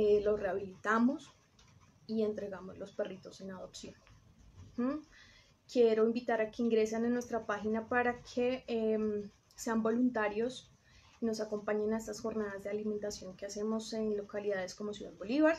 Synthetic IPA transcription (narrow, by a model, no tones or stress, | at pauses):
lo̞sre̞aβilit̪amo̞s | ie̞nt̪ɾe̞ɣamo̞zlo̞spe̞rit̪o̞se̞nað̞o̞psjo̞n̩ | kje̞ɾo̞imbit̪aɾake̞iŋɡɾe̞senenːwe̞st̪ɾapaxinapaɾakʰe̞m | se̞ambo̞lunt̪aɾjo̞s | ino̞sako̞mpaɲe̞nae̞st̪asxo̞ɾnað̞azd̪ealimẽ̞nt̪asjo̞ŋkease̞mo̞se̞nlokaliðað̞e̞sko̞mosjuða̰ðbo̞liβaɾ